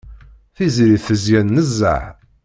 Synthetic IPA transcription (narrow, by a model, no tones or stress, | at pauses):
θizɾiθəzjænːəzːə̰ħ